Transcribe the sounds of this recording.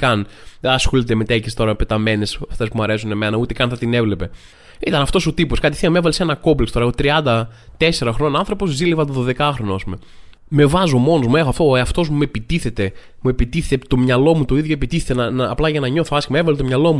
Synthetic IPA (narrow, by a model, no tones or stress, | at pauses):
kɐnɐsxolit̪emet̪ecist̪o̞ɾɐpet̪ɐme̞ne̞sɐft̪e̞spumuɐɾe̞sune̞me̞nɐut̪ekɐnθɐt̪ine̞vle̞pe̞ | it̪ɐnɐft̪o̞sot̪iposkɐt̪i̥θiɐmevɐlesenɐko̞blikst̪o̞ɾexot̪ɾiɐnd̪ɐt̪e̞se̞ɾɐxɾononɐnθɾo̞po̞zzilivɐt̪oðo̞ðe̞kɐxɾo̞noɐspume̞ | me̞vɐzo̞mo̞nozmuexoɐft̪oeɐft̪o̞zmue̞pit̪iθe̞t̪e̞ | mue̞pit̪iθet̪et̪o̞mɲɐlo̞mut̪o̞iðʝjo̞epit̪iθet̪enɐnɐːplɐʝɐnɐɲo̞θoɐsçimɐevɐlet̪omɲɐlo̞mu